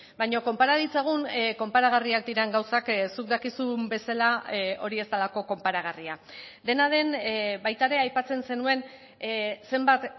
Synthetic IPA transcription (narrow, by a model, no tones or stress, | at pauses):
bajɲo̞ko̞mpaɾaðit͡saɣ̞unko̞mpaɾaɣ̞ariak̚d̪iɾeŋɡawsaksuk̚d̪akisumbe̞salao̞ɾie̞st̪alako̞ko̞mpaɾaɣ̞ariad̪e̞nað̞e̞nbajt̪aeɾe̞ajpat͡se̞nse̞nue̞n | se̞mbat̪